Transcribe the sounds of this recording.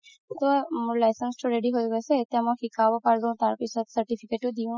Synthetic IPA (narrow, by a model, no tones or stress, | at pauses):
t̪ɔmulajsənsʈoɾeɖiɦojɡɔset̪ãmɔkikabɔpaɾd̪õt̪aɾpisɔt̪səɾʈifʰikeʈod̪iũ